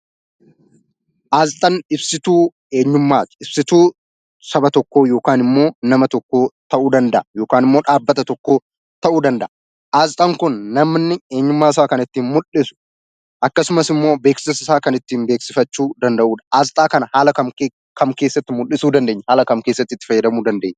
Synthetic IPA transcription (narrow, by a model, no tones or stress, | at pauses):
ʔaːzt̪ʼɐnɪbsɪt̪uː | e̞ːɲːʊmːaːt̪ɪ̥ɪb̥sɪt̪uː | sɐbɐt̪ɔkːoːjo̞ːkaːnɪmːo̞ːnɐmɐt̪ɔkːo̞ːt̪ɐʔuːd̪ɐnd̪ɐʔɐjo̞ːkaːnɪmːoːᶑaːbːɐt̪ɐt̪ɔkːo̞ː | t̪ɐʔuːd̪ɐnd̪ɐ̰ʔɐ | ʔaːzt̪ʼɐŋkʊnːɐmnːɪeːɲːʊmːaːɪs̬aːkɐnɪt̪ːiːnmʊlːɪsʊ̥ | ʔɐkːɐsʊmɐsɪmːo̞ːbeːksɪsɪsaːkɐnɪt̪ːiːnbe̞ːksɪfɐt͡ʃːuːd̪ɐnd̪ɐʔuːᶑɐ̥ʔaːzt̪ʼaːkɐnɐhaːlɐkɐm | kʰɐmke̞ːsːɐt̪ːɪmʊlːɪsuːd̪ɐnd̪eːɲːɐhaːlɐkɐmkeːsːɐt̪ːɪt̪ːɪ̥fɐjːɐd̪ɐmuːd̪ɐnd̪e̞ːɲː